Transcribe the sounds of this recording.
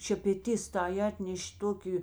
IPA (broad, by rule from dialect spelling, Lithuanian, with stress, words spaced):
ʃʲɛpʲɛˈtʲɪs tɐɪ ˈɑːtʲnʲɛʃʲ ˈtoːkʲɪ